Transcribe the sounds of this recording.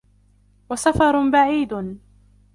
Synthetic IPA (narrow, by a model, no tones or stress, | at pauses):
wasafɑɾˤbaʕiːd̪